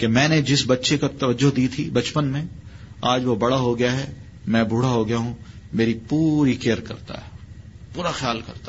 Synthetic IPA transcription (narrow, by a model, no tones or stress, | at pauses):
kemɛ̃ːned͡ʒɪsbɐtːʃekat̪ɐʋəd͡ʒːoɦd̪iːt̪ʰibɐt͡ʃpənmẽaːd͡ʒʋobɐɽaɦoɡɐjaɦɛ | mɛ̃bʱuːɽ̤aɦoɡɐjaɦũmeːɾipuːɾikeːəɾkɐ̰ɾt̪a̰ɦɛpuːɾaxjaːlkɐ̰ɾt̪a